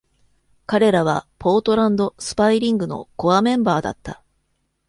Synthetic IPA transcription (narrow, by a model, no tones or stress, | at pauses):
kaɾe̞ɾaβ̞apʰo̞ːt̪o̞ɾãnd̪o̞sɨ̥paiɾʲĩŋɡɯ̟no̞̰ko̞amẽ̞mbaːd̪a̰t̪ːa